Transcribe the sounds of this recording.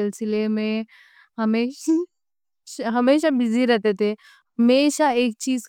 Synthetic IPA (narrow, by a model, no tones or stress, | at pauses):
ɛlsɪlemẽ | ɦəmeː | ʃaɦɐmeːʃabɪzʱiɾɐt̪et̪e | ɦəmeːʃaeːk̚t͡ʃiːz